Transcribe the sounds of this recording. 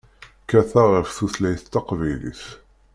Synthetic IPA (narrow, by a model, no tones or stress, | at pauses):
kæθaʁəfθuθlæjθt̪ːɑqvæjlḭθ